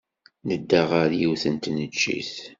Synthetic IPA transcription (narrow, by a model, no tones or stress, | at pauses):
nəd̪ːaʁaɾjiwθənt̪nət͡ʃːḭθ